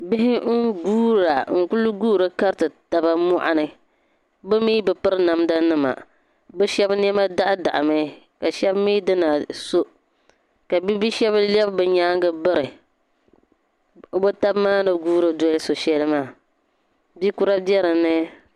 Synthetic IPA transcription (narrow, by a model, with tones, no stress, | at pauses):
bɪ˦ɦɪ˦ɡuː˦ɾa˨ŋ̩˨ku˦lʊ˦ɡuː˦ɾɨ˦ka˦ɾtɨ˨ta˨ba˦mɔ˦ʔa̰˨nɨ˦ | bɨ˦miː˦bɨ˨pɨ˦ɾɨ˦na˨mda˦nɨ˦ma̰˨ | bɨ˦ʃɛ˦bn˦ɛ˦ma˦da˦ʔda˨ʔa˨ma˦ | ka˨ʃɛ˦bmiː˦dɨ˦na˨so˦ | ka˨bi˦bi˦ʃɛ˦ba˦lɛ˦bbɨ˨ɲaː˦ŋɡɨ˦bɨ˦ɾɨ˨ | o˨bo˦ta˦bmaː˦nɨ˨ɡuː˦ɾɨ˨dɔ˦lɪ˦so˨ʃɛ˦lɨ˦maː˦˨ | bi˦ku˦ɾa˦bjɛ˦ɾɨ˨nɨ˦